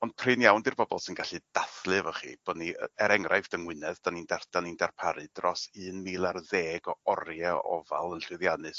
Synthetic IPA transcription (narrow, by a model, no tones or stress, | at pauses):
ɔnd̥̚pʰrɨnjawndirbɔbɔ̰lˠsɪnɡaɬɨd̥aθlˠɨvɔχḭb̥ɔniɛɾɛŋrʔajfd̥əŋwɪnɛðd̥anindard̥anindarpʰaɾɨdrɔsɨːnmilˠarðeːɡɔɔrjaɔ̰va̰lˠənɬwɨðjanɨs